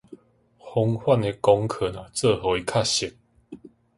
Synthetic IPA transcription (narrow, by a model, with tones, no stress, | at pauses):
hɔ˧˦ŋhwa˥˧˨ne˧kɔ˧ŋkʰə˨˩nã˨˩t͡sə˥˧˨ho˨˦i˧kʰa˥˧ɕi˨˩˦k̚